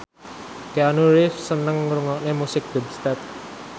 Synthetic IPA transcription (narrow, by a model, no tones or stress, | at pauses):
kanuɾɪfsənəŋɾuŋɔʔnemusɪk̚d̥̪ɔbst̪ɛt̪̚